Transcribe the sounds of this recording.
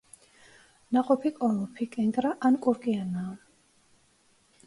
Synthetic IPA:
naqʼɔpʰikʼɔlɔpʰikʼɛŋkʼɾaʔankʼuɾkʼianaː

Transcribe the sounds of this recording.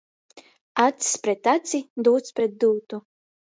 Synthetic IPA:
at̪spɾɛt̪at̪sid̪uːt̪spɾɛt̪̚d̪uːt̪u

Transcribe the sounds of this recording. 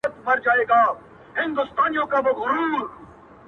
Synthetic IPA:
ət̪mɐɾd͡ʒaːeːɡaː | ɦɪ̃nd̪ʊst̪aːnijõkabɪɣʊɾuːɾ

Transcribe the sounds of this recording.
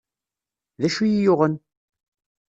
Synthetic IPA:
ðæʃujijʊʁən

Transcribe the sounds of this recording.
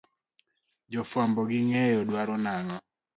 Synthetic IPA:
d͡ʒɔfwambɔɡɪŋɛjɔdwaɾɔnaŋɔ

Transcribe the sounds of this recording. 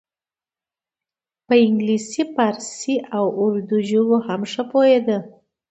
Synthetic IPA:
pəɪŋɡlisipaɾsiʔawʊɾd̪uʒəwohamʂəpoed̪ə

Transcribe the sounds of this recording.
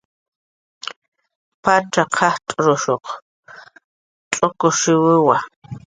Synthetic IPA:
paʈ͡ʂaqʰɑht̪ʼɾoʃoq | t͡ɬʼokoʃɪwɪwa

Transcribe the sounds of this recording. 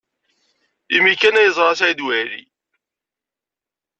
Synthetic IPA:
imikːænæjəzˤɾˤɑsæjd̪wæɾḭ

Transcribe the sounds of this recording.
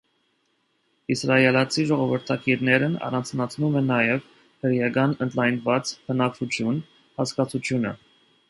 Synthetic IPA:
isrɑjɛlɑt͡sʰiʒɔʁɔvəɾt̪ʰɑkiɾnɛɾənɑ̰rɑnt͡sʰnɑt͡sʰnumɛnːɑjɛv | həɾjɑɡɑnənt̪lɑjnvɑt͡spʰənɑkʰut͡ʃʰjun | hɑskɑt͡sʰut͡ʃʰjunə̰

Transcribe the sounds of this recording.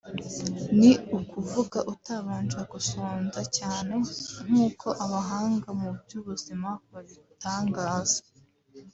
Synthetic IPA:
niukuvuɡaʔutaβaːnd͡ʒaɡusoːnzacaːne̞n̥uːkʰo̞ʔaβaɦaːŋɡamubjuːβuzimakoɾeβitaːŋɡaːz̥ḁ

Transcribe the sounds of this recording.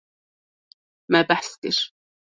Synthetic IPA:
mabaħst̪ɪʃ

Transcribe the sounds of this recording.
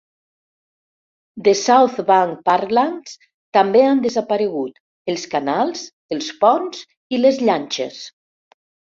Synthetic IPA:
d̪esawθβaŋpaɾlaŋs | t̪ambeand̪əzapaɾəɣ̞ut̪ | əlˠskanalˠz | əlˠspɔnz | iləzʎanʲt͡ʃḛs

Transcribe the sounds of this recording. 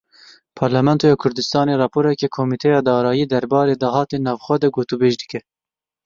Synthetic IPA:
pʰɑɾlamɛnt̪ʰojɑːkʰʊɾd̪ɨst̪ɑːneɾɑːpʰoːɾɛkekʰoːmiːt̪ʰɛjɑːd̪ɑːɾɑːjiːd̪ɛɾbɑːɾeːd̪ɑɦɑːt̪enɑːvxʷwɛd̪ɛɡoːt̪ubeːʒd̪ɨkɛ

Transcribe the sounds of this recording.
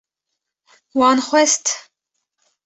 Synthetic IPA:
wɑːnxwɛst̪

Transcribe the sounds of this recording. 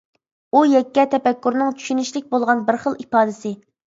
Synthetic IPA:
ujɛkʲːɛt̪ʰɛpɛkʲːuɾnɨŋt͡ʃʰy̥ʃynɪʃlɪk̚ʲbolˠʁɑnbɪɾχəlˠipɑːd̪ɪsɪ

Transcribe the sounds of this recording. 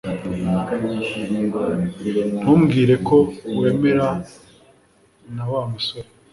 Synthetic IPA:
muːmɡiːɾe̞ko̞we̞ːme̞ɾa | nawaːmusoɾe

